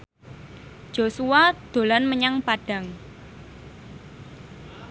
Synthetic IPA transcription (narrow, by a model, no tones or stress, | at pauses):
d͡ʒ̥osuwad̪̥o̤lanməɲaŋpaɖ̥ä̤ŋ